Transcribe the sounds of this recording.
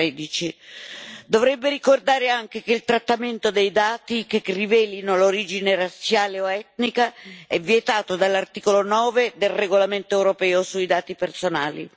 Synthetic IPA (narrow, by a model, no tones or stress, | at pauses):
ɛːd̪it͡ʃi | d̪ovɾɛbːeɾikord̪aːɾeaŋk̟ek̟eilt̪ɾat̪ːament̪od̪ejd̪aːt̪ik̟ekrivɛːlinoloɾiːd͡ʒinerat̪sjaːleoɛt̪nikaɛvːjet̪aːt̪od̪alːart̪iːkolonɔːved̪elreɡolament̪oɛwɾopɛːosuid̪aːt̪ipersonaːlḭ